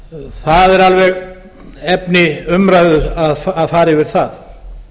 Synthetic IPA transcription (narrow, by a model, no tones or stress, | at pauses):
θaðɛɾalvɛɣ | ɛpnɪʏmɾajðʏɾaðfaðfaːɾɪvɪɾ̥θað